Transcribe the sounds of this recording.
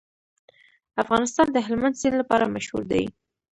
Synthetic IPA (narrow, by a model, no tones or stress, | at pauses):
afɣɑnɪst̪ɑnd̪əɦɪlmand̪sinlapɑɾamaʃhṵɾd̪a̰j